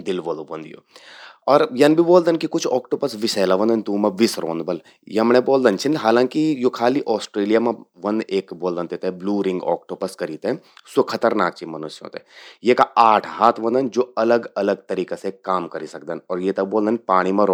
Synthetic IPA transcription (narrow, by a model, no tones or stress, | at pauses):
d̪ɪlboːld̪ʋɐnd̪ijo̰ɔːɾjɐnbʱiboːld̪ənkikʊt͡ʃʰɔːkʈoːpəsʋɪsɛːlaʋɐ̃nd̪ɐnt̪ũːmɐ̃ʋɪsɾo̰ːnd̪bɐl | jeɐmɳẽboːld̪ɐnt͡ʃʰinɦaːlãːŋkijokʰaːliʔɔːsʈɾeːlijamɐ̃ʋɐ̃nd̪eːkboːld̪ɐnt̪et̪ebluːɾɪ̃ŋɡɔ̰ːk̚ʈoːpɐskɐɾiːt̪ẽ | sʊkʰɐt̪əɾnaːk̚t͡ʃimɐnʊsjõ̰ːt̪ejekaaːʈʰɦaːt̪ʰʋɐ̃nd̪ɐnd͡ʒoːɐləɡɐləɡ̚t̪ɐɾiːkasekaːmkɐɾisɐk̚d̪ɐnɔːɾjet̪ɐboːld̪ɐnpaːɽ̃imɐ̃ɾ